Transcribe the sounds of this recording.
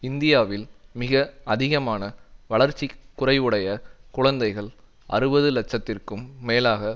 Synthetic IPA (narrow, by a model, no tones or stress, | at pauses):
ɪnd̪ɪjaːʋɪlmɪɣɐɐðɪɣɐmaːnɐʋɐɭɐɾt͡ʃːikːʊrɐɪʋɯɽɐjɐkʊɻɐnd̪ɐɪɣɐɭ | ɐ̰ɾɯbɐðɯlɛt͡ʃːɐt̪ːɪrkɯmːeːlaːɣɐ